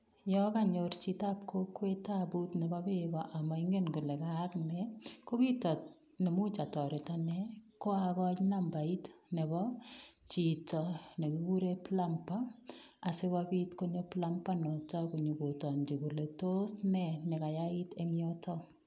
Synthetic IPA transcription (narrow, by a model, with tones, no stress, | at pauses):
jɔ˦ka˦ɲort͡ʃi˦ta˦p̚kʰo˦kwe˦ta˦bu˦tnɛ˨bɔ˦be˦kɔʔa˨ma˨iŋɡe˦nku˨le˨ka˦knɛ˨ko˦kitɔ˨t̚ | ne˨mu˦t͡ʃa˨tɔ˨ɾɪ˨tanɛko˦akɔ˦t͡ʃna˦mba˨i˦tne˨bɔ˦t͡ʃi˨tɔ˨ne˨kuku˦ɾe˦pla˦mpa˦a˨sɪ˦kabi˦tko˦ɲo˦pla˦mpa˦nɔ˨tɔ˦ku˨ɲu˨bu˨tɔ˨ɲd͡ʒi˨ku˨le˨to˦snɛ˨ne˨ka˨jai˦te˦ŋjɔtʰɔ